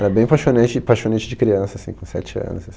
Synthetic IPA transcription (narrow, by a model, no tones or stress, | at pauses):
ɛɾɐbẽj̃paʃonɐ̃nt͡ʃɪpaʃonɐ̃nt͡ʃɪd͡ʒɪkɾiɐ̃sɐːsḭ̃kõsɛ̰t͡ʃɪɐ̰̃nʊzas